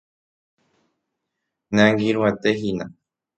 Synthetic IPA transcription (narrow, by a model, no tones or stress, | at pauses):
nẽãŋɡiɾũet̪eɦinã